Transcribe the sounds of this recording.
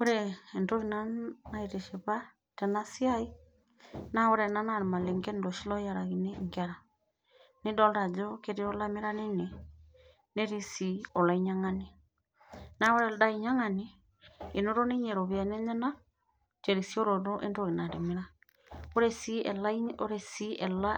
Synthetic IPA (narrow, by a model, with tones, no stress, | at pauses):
o˦ɾeː˨nto˦ɣi˨na˦na˦i˨ɾe˨ʃe˨βa˦ | tɛna˦si˦a˦i˦ | na˦o˦ɾɛ˨na˦na˨ɾe˨ma˨le˨ŋɡɛ˦ndo˨ʃi˦lɔ˦ja˨ɾa˨ɣi˨ne˦ŋɡaɾa˨ | ne˦dɔ˦lɾa˨d͡ʒo˦ke˦ɾi˦ɔ˦la˦me˦ɾa˦ne˦ne˨ | ne˦ɾi˦si˨ɔ˨la˨˦i˦ɲa˦ŋani˦ | na˦o˦ɾɛ˨lda˦i˨ɲa˦ŋa˨ni˦ | e˨no˦ɾo˦ne˦ɲɛ˨ɾo˨βja˨nɛ˦ɲɛ˦na˦ | t͡ʃɛ˨ɾi˨sjo˦ɾo˨ɾo˦ʔe˦ndo˨ɣi˨na˨ɾe˨mi˦ɾa | o˦ɾɛ˦si˦ɛla˦i˦o˦ɾe˦si˦ɛ˨la˦